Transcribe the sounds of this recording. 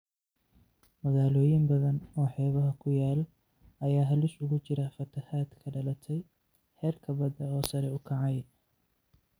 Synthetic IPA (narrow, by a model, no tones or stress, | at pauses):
mɐɣaːlɔːjɪmbɐðɐnɔːħɛːβɐɦɐkʰʊjaːl | ɐjaːɦɐlɪʃʊɣʊt͡ʃɪɾɐfɐt̪ʰɐhaːd̪kʰɐɖɐlɐt̪ʰɛj | ħɛːrkʰɐbɐd̪ɐɔːsɐɾɛʊkʰɐʕɑj